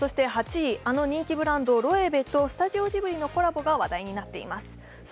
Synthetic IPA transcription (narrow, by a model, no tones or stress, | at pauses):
so̞ɕi̥t̪e̞ɦat͡ɕiiʔano̞ɲ̟ĩŋkʲibɯ̟ɾãnd̪o̞ɾo̞e̞be̞t̪o̞sɨ̥t̪aʑio̞ʑibɯ̟ɾʲino̞ko̞ɾabo̞ɡaβad̪aiɲ̟inat̪ːe̞ḭmasɨ̥